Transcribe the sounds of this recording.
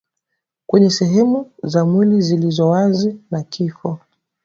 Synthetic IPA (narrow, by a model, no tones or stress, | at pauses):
kwɛɲɛsɛɦɛmuzamwilizilizɔwazinakʰifɔ